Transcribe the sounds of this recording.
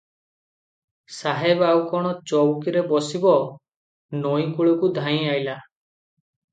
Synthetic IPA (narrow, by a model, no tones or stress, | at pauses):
saɦebawkɔɽ̃ɔt͡ʃɔwkiɾebɔsibɔ | nɔjkuɭɔkud̪ʱaĩajla